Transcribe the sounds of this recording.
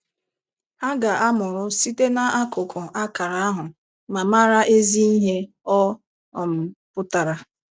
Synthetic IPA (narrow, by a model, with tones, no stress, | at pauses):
ha˦ɡa˨ʔa˦mʊ˨ɾʊ˦si˦te˦na˦a˦kʊ˨kʰʊ˨ʔa˦ka˨ɾa˨a˦ɦʊ˨ | ma˨ma˦ɾa˦ʔe˦zi˦i˦ɦe˦ | ɔ˦ | ɔ˨m̩˨pʊ˦ta˨ɾa˨